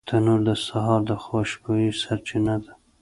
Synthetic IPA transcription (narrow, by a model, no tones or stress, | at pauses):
t̪ʰanuɾd̪əsaɦɑɾd̪əxaʃbojisaɾt͡ʃɪnad̪a